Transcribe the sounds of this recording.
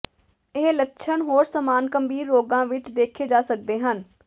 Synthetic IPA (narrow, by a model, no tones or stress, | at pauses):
ɪɦlətːʃʰənɦoːɾsəmaːnkəmbiːɾːoːɡãːʋɪt͡ʃd̪eːkʰeːd͡ʒaːsək̚d̪eːɦən